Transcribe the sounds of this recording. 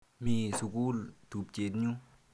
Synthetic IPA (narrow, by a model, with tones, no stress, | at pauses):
mĩː˧su˧˨ku˦˨lt̪u˨p̚t͡ɕe˨t̪̚ɲu˦